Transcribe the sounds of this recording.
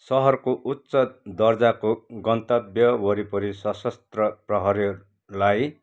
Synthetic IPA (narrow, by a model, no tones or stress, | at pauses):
sʌɦʌrkoʔutːsʌd̪ʌrd͡zakoɡʌnt̪ʌbjʌwʌɾipʌɾisʌsʌst̪rʌprʌɦʌɾi | laj